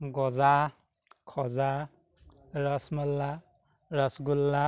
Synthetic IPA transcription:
ɡɔza | kʰɔza | ɹasmɔlːa | ɹasɡulːa

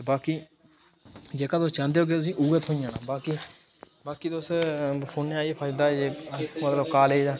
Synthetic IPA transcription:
baːkiː | d͡ʒeːkaːt̪oːst͡ʃãːnd̪eːɦoːɡeːt̪ʊsĩːʔuːɡət̪ɦoːĩjãːnaːbaːkiː | baːkiːt̪ospʰoːnneaːiepʰət͡ʃd̪aːd͡ʒeːmət̪ləbkaːleːd͡ʒaː

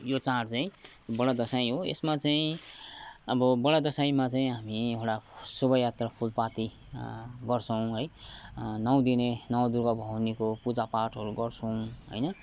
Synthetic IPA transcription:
jot͡saɽt͡saĩjobʌɽad̪ʌsaĩɦoḛsmat͡saĩ | ʌbʌbʌɽad̪ʌsaĩmat͡saĩɦamiekɽasubʌjjat̪rapʰulpat̪i | ɡʌrt͡sʰʌw̃ɦʌj | nʌw̃d̪inenʌwad̪uɾɡʌbʱʌwnikopud͡zapaʈɦʌɾuɡʌrt͡sʰʌ̃w̃ɦʌ̰jnʌ

